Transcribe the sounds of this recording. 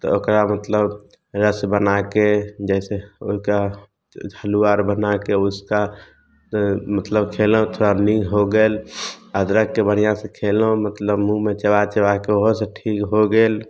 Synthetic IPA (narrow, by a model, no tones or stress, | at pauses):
t̪ɔ̰okɾamət̪ləb | ɾəsbənaked͡ʒɛseo̰ɦika | əluaɾbənakeʊska | mət̪ləbkʰelõt̪ʰoɾanĩŋɡʱɦoɡeːləd̪ɾəkːebəɽ̤ijãsẽkʰelõmət̪ləbmũmet͡ʃəwat͡ʃəʋakeoɦoseʈʰikɦoɡeːl